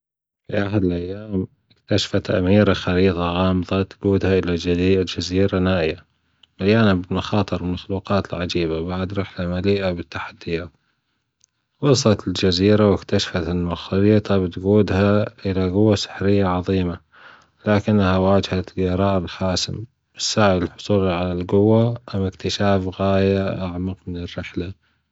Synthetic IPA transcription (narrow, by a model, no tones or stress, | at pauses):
fiʔaħad̪ɪlʔajːaːm | ʔɪkt̪aʃḁfat̪ʔa̰miːɾaxɑɾiːt̪ˤɑɣɑːmðˤɑt̪ɡuːd̪haʔɪlad͡ʒaziːɾanaːʔɪja | ʔaljaːnabmaxɑːt̪ˤɨɾɪlmaxluːqɑːt̪ɪlʕad͡ʒiːbabaʕad̪ɾˤɑːħlamaliːʔabɪt̪ːaħad̪ːɪjaːt̪ | wɑsˤlɑt̪ɪld͡ʒaziːɾawɪkt̪aʃfat̪almaxɑliːt̪ˤɑbɪt̪ɡuːd̪haʔɪlaɡʊwːasɪ̥ħɾɪjːaʕɑðˤiːma | laːkɪnːhawaːd͡ʒhaɑɾˤɑːʔɪlħaːsɪ̰m | ɪsːaʕɪbɪlħʊ̥sˤuːlʕalalɡʊwːaʔamːɪkt̪ɪʃaːfɣaːjaʔaʕmaqmɪnɪrːɪħla